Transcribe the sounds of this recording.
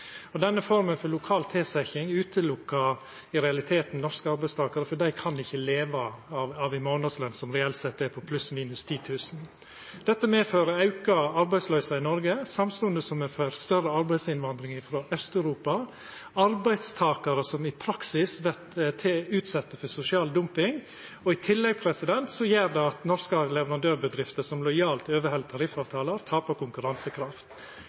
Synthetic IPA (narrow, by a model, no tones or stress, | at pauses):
ɔd̪ɛnːəfɔɾmənfɔɾlʊkʰɑːlt̪ʰeːsɛçɪŋʉːt̪ʰəlʊkːɑ | ɪɾɛɑlɪt̪ʰeːt̪n̩nɔʂkəɑɾbæɪst̪ʰɑːkɑɾəfɔɖæɪkʰɑnd̪ɪçːəleːʋɑɑɑʋɪmoːnɑslœnsɔmɾɛɛlt̪sɛt̪ːɛpʰɔpʰlʉsmiːnʉst̪ʰiːt̪ʰʉːsn | d̪̥ɛt̪ːəmeːføːɾəɑʉkɑɑɾbæɪslœʏsɑɪnɔɾɡəsɑmst̪ʊənd̪əsɔmɛfœɾst̪œrəɑɾbæɪd̪sɪnʋɑnd̪ɾɪŋɪfɾoːʔœst̪œʉɾuːpɑ | ɑɾbæɪd̪st̪ʰɑːkɑɾəsɔmɪpʰɾɑksɪsʋɛt̪t̪ʰɛʉːt̪sɛt̪ːəfɔsʊsɪɑːld̪ʊmpɪŋ | ɔɪt̪ʰɪlːɛɡ̚pʰɾɛsɪd̪ɛnt̪sɔjeːɾd̪ɛɑt̪nɔɾskəɑlɛʋəɾɑnd̪øːɾbəd̪ɾɪft̪əsɔmlɔɪjɑːlt̪øːʋəhɛlət̪ʰɑɾɪfɑːʋt̪ʰɑːləɾt̪ʰɑːpɑkʊŋkʉɾɑnsəkʰɾɑft̪